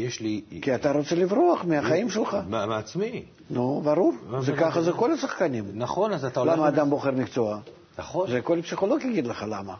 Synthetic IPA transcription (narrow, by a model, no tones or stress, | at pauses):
jeʃlikʲiat̪aɾot̪sɛlʲɪvroɐχmʲɪaχajimʃəlˠχammeat͡smi | nubaɾurzɛkaχɐzɛko̞lʲɐsɐχkanʲimnaχonazat̪alamɐːd̪amboχermʲɪkt̪soa | naχozɛkolʲpsʲiχolˠo̞ɡʲjaɡʲid̪ləχalamɐ